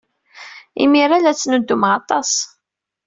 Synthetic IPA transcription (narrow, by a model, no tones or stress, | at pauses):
ḭmiɾalæt͡sːnud̪ːumʁɑt̪ˤɑs